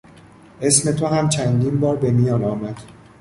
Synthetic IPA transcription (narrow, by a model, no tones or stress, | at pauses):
ʔe̞sme̞t̪ʰoɦæmt͡ʃʰænd̪iːnbɒːɾbe̞mijɒːnɒːmæd̪̥